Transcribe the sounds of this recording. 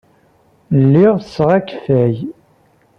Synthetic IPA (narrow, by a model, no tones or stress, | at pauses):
lːiʁsʁækθæj